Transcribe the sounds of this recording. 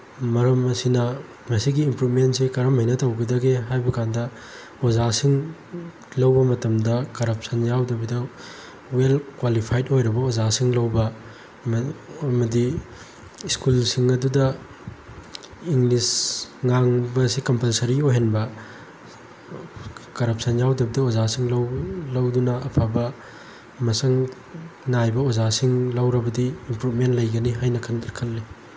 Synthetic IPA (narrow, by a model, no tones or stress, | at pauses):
mɐɾɐmɐsinɐ | mɐsiɡiːmpɾumentsekɐɾɐmhɐjnɐtɐwɡɐdɐɡeɦajbɐkandɐ | ozasiŋ | lɐwbɐmɐtɐmdɐkɐɾɐp̚sɐnjawdɐbidɐ | welkwalipʰajdojɾɐbɐozasiŋlɐwbɐ | ɐmɐdi | iskulsiŋɐdudɐ | iŋlisŋaŋbɐsikɐmpɐlsɐɾiojɦenbɐ | kɐɾɐp̚sɐnjawdɐbɐdɐozasiŋlɐwlɐwdunɐʔːpʰabɐ | mɐsɐŋ | najbɐozasiŋlɐwɾɐbɐdiːmpɾupmentlɐjɡɐniɦajnɐkʰɐndɐɾkʰɐlːi